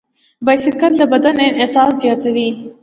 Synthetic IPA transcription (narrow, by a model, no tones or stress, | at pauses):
bajsɪkəld̪əbad̪anɪnɪt̪ːt̪zjɑt̪awi